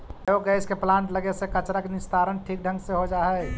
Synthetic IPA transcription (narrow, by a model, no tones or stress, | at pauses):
oɡɡəɛɪskeplãːnt̪ləɡesekət͡ʃɾakenɪst̪aɾənʈʰik̚ɖʱə̃ŋɡseɦod͡ʒaɦɛ